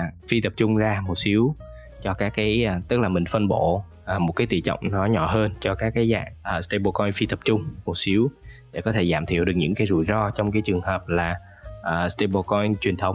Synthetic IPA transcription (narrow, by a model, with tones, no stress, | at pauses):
fi˧t̪ə˨˩p̚t͡ɕʊ˧ŋ͡mzaː˧mo˨˩t̚si˨˦əw | t͡ɕɔ˧kaː˦˥kːaː˨˦jt̪ɨ˦˥k̚laː˨˩mï˨˩ŋ̟fə˧nɓo̰˧˨ | ʔə˨˩mo˨˩t̚kaː˨˦jt̪ḭ˧˩t͡ɕɔ̰˧˨wŋ͡mnɔ˨˦ɲɔ̰˧˩˨ɦəː˧nt͡ɕɔ˧kaː˦˥kːaː˨˦jza̰ː˧˨ŋʔəː˨˩st̪e˧jɓo˧kɔ˧jfi˧t̪ə˨˩p̚t͡ɕʊ˧ŋ͡mmo˨˩t̚si˨˦əw | a̰ː˧˩kɔ˨˦t̪ʰe˧˩zaː˧˩mt̪ʰḭ˧˨wɗɨ˨˩k̚ɲɨ̰˧˥ŋkaː˨˦jzṵ˧˩jzɔ˧t͡ɕɔ˧wŋ͡mkaː˨˦jt͡ɕɨ˨˩əŋhəː˨˩p̚laː˨˩ | ʔəː˨˩st̪e˧ɓo˧kɔ˧jt͡ɕwi˨˩ənt̪ʰə˨˦wŋ͡m